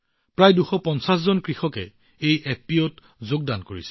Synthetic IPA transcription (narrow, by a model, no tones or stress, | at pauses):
pɹajduxɔpɔnsas̬zɔnkɹixɔkɛ | ejeppiɔt | zoɡ̚dankoɹisɛ̥